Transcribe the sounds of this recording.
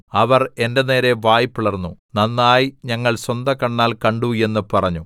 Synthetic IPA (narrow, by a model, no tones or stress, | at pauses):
ɐʋɐre̞nde̞ne̞ːɾe̞ʋaːjipːiɭɐrnːunɐnːaːjiɲɐŋːɐɭswɐnd̪ɐkɐɳːaːlkɐɳɖue̞nːɨpɐrɐɲːu